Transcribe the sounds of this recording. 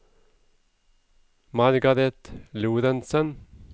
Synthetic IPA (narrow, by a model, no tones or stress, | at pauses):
mɑɾɡɑɾɛt̪luːɾənsən